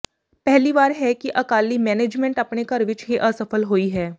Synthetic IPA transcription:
pɛɦliʋaːɾɦɛkiʔɐkaːlimɛːneːd͡ʒmɛ̃ɳʈɐpnekɐɾʋɪt͡ʃɦiʔɐsɐfəlɦoːiɦɛː

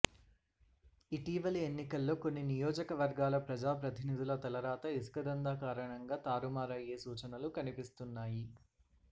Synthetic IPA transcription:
iʈiːʋɐlienːikɐlːo̞ːko̞nːinijɔːd͡ʒɐkɐʋɐɾɡaːlɐpɾɐd͡ʒaːpɾɐt̪ʰinid̪ʱilɐt̪ɐlɐɾaːt̪ɐiskɐd̪ɐnd̪aːkaːɾɐɳɐŋɡaːt̪aːɾumaːɾɐje̞ːsuːt͡ʃɐnɐlukɐnipist̪unːaːji

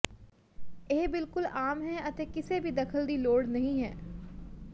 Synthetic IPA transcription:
eːbɪlkʊlaːmɦɛɐt̪ekɪsebʱid̪ɐkʰəld̪iloːɽnɐɦĩɦɛ̰ː

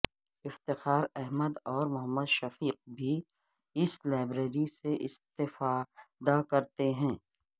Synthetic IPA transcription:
ɪft̪ɪxaːɾɛɦməd̪ɔːɾmʊɦəmːəd̪ʃɐfiːq̚bʱi | ɪslaːɪbɾeɾiseʔɪst̪ɪfad̪akɐɾt̪eɦɛ̃ː

